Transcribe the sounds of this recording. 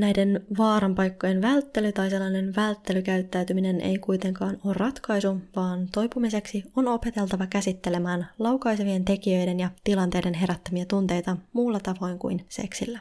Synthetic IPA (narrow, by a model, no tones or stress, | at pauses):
næjde̞nʋɑːɾɑmpɑjkːo̞jenʋælt̪ːe̞lyt̪ɑjse̞lːɑne̞nʋælt̪ːe̞lykæyt̪ːæyɥt̪ymine̞nʔḛjkujt̪e̞ŋkɑːnoːrːɑt̪kɑjsuʋɑːnt̪o̞jpumise̞ksio̞no̞pe̞t̪e̞lt̪ɑʋɑkæsit̪ːe̞le̞mæːnlɑwkɑjseʋie̞nt̪e̞kiø̞jde̞njɑt̪ilɑnt̪ejde̞nɦe̞ɾæt̪ːømiɑt̪unt̪e̞jt̪ɑmuːlːɑt̪ɑʋo̞jŋkṵjnse̞̰ksilːæ